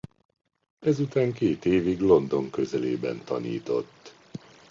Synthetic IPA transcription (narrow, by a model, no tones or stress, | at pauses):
ɛzut̪aːŋkeːt̪eːviɡlo̞nd̪o̞ŋkø̞zɛleːbɛ̰nt̪ɒ̰nḭːt̪o̞t̪ː